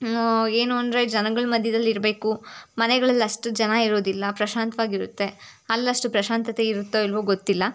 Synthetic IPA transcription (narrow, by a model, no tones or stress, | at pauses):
eːnuond̪ɾed͡ʒɐnɐɡɐɭmɐd̪ʱjɐd̪ɐlːiɾbe̞ːkumɐnɛɡɐɭɐlːɐʂʈud͡ʒɐnaiɾo̞ːd̪ilːɐpɾɐʃaːnt̪ʋaːɡiɾut̪ːe̞ | ɐlːɐʂʈupɾɐʃaːnt̪ɐt̪eiɾut̪ːoilʋuɡot̪ːilːɐ